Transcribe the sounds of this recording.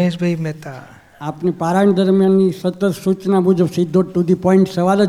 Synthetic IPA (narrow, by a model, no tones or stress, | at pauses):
ẽʃbʱəimɛt̪a | apnipaɾaɳd̪əɾmjanːisət̪ət̪sut͡ʃnamud͡ʒəbsid̪ʱːoʈːud̪ʱipɔĩɳʈsəʋalə